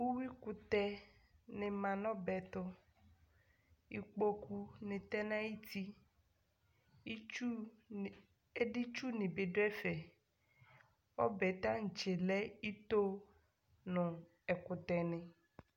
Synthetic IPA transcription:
wu˦wi˦ku˨t̪ɛ˦nẽ˨mã˨nɔ̃˦bɛ˨t̪ɔ˦ | i˨k͡po˦ku˦nẽ˨t̪ɛ˦nã˦ji˦t̪i˦ | e˦ɖi˦t͡ʃu˦nẽ˨be˨ɖo˦ɛ˦fɛ˨ | wɔ̰˦bɛ˨t̪ã˦ŋ̩˨t͡ʃe˨lɛ˦i˦t̪o˦ | nɔ̃˨ | ɛ˨kʊ˨t̪ɛ˨nɛ̃˨

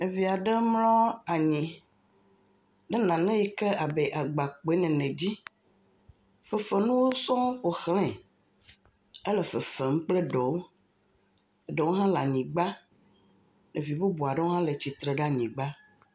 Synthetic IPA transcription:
ne˨vi˨a˨ɖe˦mlɔ̃˦a˨ɲɛ̃˨ | ɖɛ˦nã˨nɛ̃˦jɛ˨ke˦a˨be˨ʔa˨ɡ͡ba˨k͡po˨e˦nɛ̃˨nɛ̃˨d͡ʑi˦ | fɛ˨fɛ˨nũ˦wo˦sɔ̃˦ɸo˨xlɛ̃˨ | ɛ˦lɛ˨fɛ˨fɛ˨m̩̃˦k͡plɛ˦ɖɔ˨wo˦˨ | ɖɛ˨wo˦ɦã˦la˨ɲĩ˨ɡ͡ba˦ | ne˨vi˨bo˦bu˨a˨ɖe˦wo˦ɦã˦le˨t͡ɕi˨t̪ɾe˨ɖa˦ɲĩ˨ɡ͡ba˦

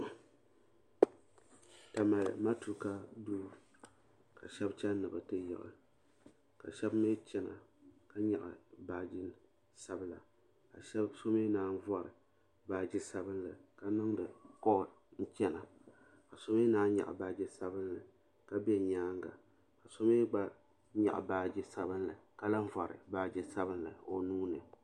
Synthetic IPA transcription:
ta˨ma˨j̰ma˦tu˨˦ka˦duː˦ | ka˨ʃɛ˦bt͡ʃɛ˦nɨ˨bɨ˨tɨ˦jɪ̰˨ʔɨ̰˨ | ka̰˨ʃɛ˦bme˦t͡ʃɛ˦na̰˨ka˦ɲa˨ʔɨ̰˨baː˨d͡ʒɪ˦n | sa˦bla̰˨ | ka˨˦so˦me˦naː˦n̩˦vɔ˦˨ɾɨ̰˨ | baː˨d͡ʒɪ˦sa˦bɨ˦nlɨ˨ka˦nɨ˦ŋdɨ˨kɔ˦˨ | n̩˦t͡ʃɛ˦na˨ | ka˨so˦me˦naː˦ɲa̰˨ʔɨ̰˨baː˨˦d͡ʒɪ˦sa˦bɨ˦n˦lɨ˨ | ka˦bɛ˦˨ɲaː˦ŋɡa̰˨ | ka˨so˦me˦ɡ͡ba˦ | ɲa̰˨ʔa̰˨baː˨d͡ʒɪ˦sa˦bɨ˦n˦lɨ˨ka˦la˦ɱ̩˦vɔ˨ɾɨ̰˨baː˦d͡ʒɪ˨˦sa˦bɨ˦nlɨ˨o˨nuː˦nɨ˨

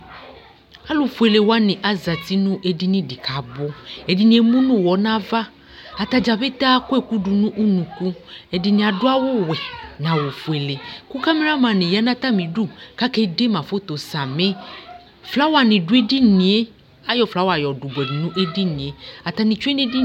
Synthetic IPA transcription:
a˦lo˨fu˨e˨le˨wa˦nĩ˨ʔa˨za˨t̪i˦nũ˦ʔe˨di˦nĩ˦di˨ka˨bo˦e˨di˨nĩ˨˦e˦mũ˦nũ˦˨wɔ˨˦nã˦va˦ | a˨t̪a˨d͡ʒa˨be˦t̪a˦ku˦e˦˨ku˦ɖu˨nũ˦ʔu˦nũ˨ku˦e˨di˨nĩ˨a˨dʊ˦a˦wo˦wɛ˨nã˨wo˨fu˨e˨le˨ku˦ka˦me˦ɾa˦mã˨nĩ˨ja˦nã˦t̪a˦mĩ˨du˦˨ka˦ke˦de˦mã˨fo˦t̪o˨sa˨mẽ˦ | fla˨˦wa˨nĩ˨du˦e˦di˦nĩ˨e˦ | a˦jɔ˨fla˨˦wa˨jɔ˨du˨bʷɛ˨di˨nũ˦ʔe˦di˦nĩ˨e˨a˨t̪a˨nĩ˨t͡ʃu˦e˦nẽ˦di˦

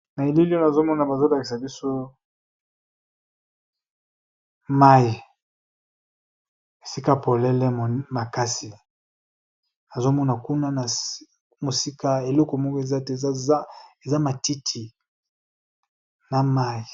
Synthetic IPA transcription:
na˨e˨li˦li˦o˦na˨zo˦mɔ˦na˨ba˨zo˦la˨ki˨s̬a˨bi˦so˦ | ma˦i˨ | e˨si˦ka˦po˨lɛ˦lɛ˦m˨ma˨ka˦si˨ | na˨zo˦mɔ˦na˨ku˦na˦na˨˦ | mo˨si˦ka˦e˨lɔ˦kɔ˨mɔ˦ko˦e˨za˦te˨za˦ma˨ti˦tʰi˨ | na˨ma˦i˨

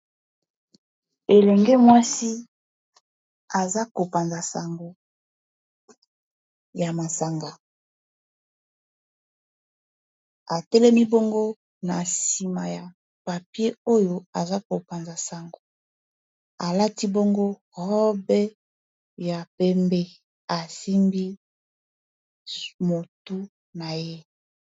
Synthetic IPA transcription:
e˨lɛ˨ŋɡe˦mwa˦si˦ | a˨za˦ko˨pa˨nza˨sa˨ŋɡo˨ | ja˨ma˨sa˨ŋɡa˨ | a˨tɛ˦lɛ˦mi˦bo˦ŋɡo˦ | na˨si˨ma˨ja˨ | pa˨pje˦o˦jo˦a˨za˦ko˨pa˨nza˨sa˨ŋɡo˨ | a˨la˦ti˦bo˦ŋɡo˦ | hɔ˦bɛ˦ | ja˨pe˦mbe˦ | a˨si˦mbi˦ | mo˨tu˦ | na˨je˦

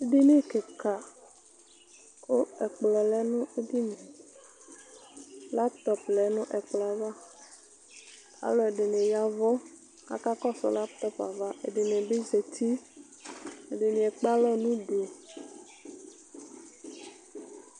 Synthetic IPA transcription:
e˦ɖi˦nẽ˦ke˨ka˨ | ko˦ɛ˨k͡plɔ˨lɛ˦nʊ̃˦e˦di˦nẽ˨ | la˦t̪ɔ˨plɛ˨˦nʊ̃˦ʔɛ˨k͡plɔ˨a˨va˦ | a̰˦lɔ˨ɛ˨ɖe˨nẽ˨ja˨vɔ˦ | ka̰˨ka˦kɔ˦sɔ̰˨la˦pt̪ɔ˦pa̰˨va˦ʔḛ˨ɖe˨nẽ˨be˦ze˨t̪ʰi˦ | e˨ɖe˨nĩ˨ɛ˨k͡pa˦lɔ˦nũ˦ɖo˨

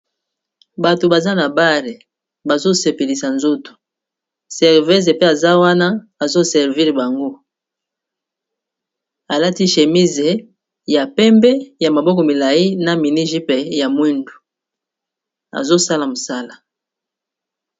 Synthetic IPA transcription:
ba˨to˨ba˨za˦na˨ba˦ʁe˨ | ba˨zo˦se˨pe˨li˨sa˨nzo˦tu̥˨ | sɛ˨ʁvɛ˦ze˨pe˦a˨za˦wa˦na˦a˨zo˦sɛ˨ʁvi˦ʁba˨ŋɡo˦ | a˨la˦ti˦ʃe˨mi˦ze˨ | ja˨pɛ˦mbɛ˦ja˨ma˨bɔ˦kɔ˨mi˨la˨ji˦na˨mi˨ni˦ʒi˦pe˨ja˨mwi˦ndu˨ | a̰˨zo˦sa˦la˨mo˨sa˦la˨

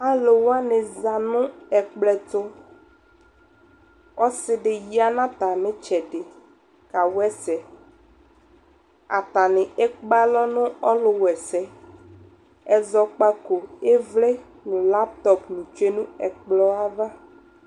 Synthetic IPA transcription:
a˦lo˨wa˦ne˨za˨nũ˦ɛ˨k͡plɛ˨t̪o˦ | ɔ˦sɪ˦ɖe˨ji˦a˨nã˦t̪a˨mẽ˦t͡ʃɛ˨ɖe˨ | ka˨wɛ˦sɛ˨ | a̰˨t̪a˨nẽ˨e˦k͡pa˦lɔ˦nʊ̃˦ɔ˦lo˨wɛ˨sɛ˦ | ɛ˨zɔ˨k͡pa˦ko˨e˦vle˦ | nũ˨la˦p̚t̪ɔ˦pnũ˨t͡ʃe˦nũ˦ɛ˨k͡plɔ˦a˦va˦

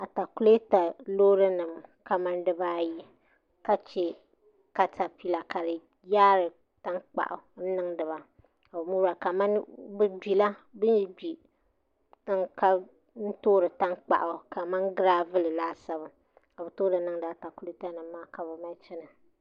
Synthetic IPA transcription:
a˨ta˨ku˦le˦ta˨loː˦ɾɨ˦nɨ˨mka˨ma˦ndɨ˦ba˦ji˦ | ka˦t͡ʃe˦ | ka˨tʰa˨pi˦la˨ka˨ɾɨ˨ | jaː˦ɾɨ˨ | ta˦ŋk͡pa̰˨ʔʊ˨n̩˦nɨ˦ŋdɨ˨βa˨ | a˨bɨ˨mu˦ɾa˨ka˨ma˦nbɨ˦bi˨la˦bɨ˦n˦bi˨ | tɨ˦ŋka˦ | n̩˦toː˦ɾɨ˨ta˦ŋk͡pa̰˨ʔʊ˨ka˨ma˦nɡɨ˦ɾaː˦vɨ˦lɨ˨laː˦sa˦βɨ˨ | a˨bɨ˨toː˦ɾɨ˨nɨ˦ŋ˦daː˨˦ta˨ku˦le˦ta˦nɨ˨mːaː˦ka˨bɨ˨ma˦t͡ʃɛ˦na˨

